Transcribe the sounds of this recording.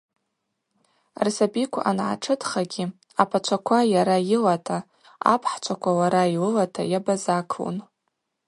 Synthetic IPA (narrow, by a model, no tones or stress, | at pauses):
rsabikʷʰa̰ʔanʕa̰ʈ͡ʂʰɨtʰχaɡʲi | apʰat͡ʃʷʰakʷʰajaɾajɪlatʰa | a̰pʰħt͡ʃʷʰakʷʰawaɾailɨlatʰa̰jabazakʰṵn